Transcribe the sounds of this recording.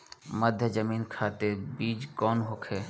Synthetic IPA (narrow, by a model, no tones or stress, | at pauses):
məd̪ʱjəd͡ʒəmiːnkʰat̪ebiːd͡ʒkɔːnɦokʰe